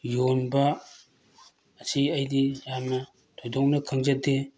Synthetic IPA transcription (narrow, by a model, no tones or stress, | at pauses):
jonbɐ | sʰiɐjdijamnɐ | tʰojdɔŋnɐkʰaŋzɐt̚de